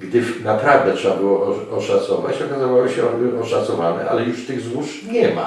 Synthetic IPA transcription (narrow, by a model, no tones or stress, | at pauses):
ɡd̪ɘfnapɾavd̪ɛtʂɛbabɘwɔʔɔɔʂat̪sɔvat͡ɕɔkazavawɔɕɛɔbɘʔɔʂat̪sɔvanɛ̰ʔa̰lɛjuʂt̪ɘɣzwuʂ | ɲɛma̰